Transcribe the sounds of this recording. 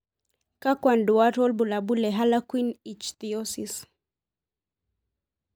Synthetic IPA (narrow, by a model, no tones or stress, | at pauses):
kakwanduaɾɔlbulabulɛɦalakwinit͡ʃt̪iɔsis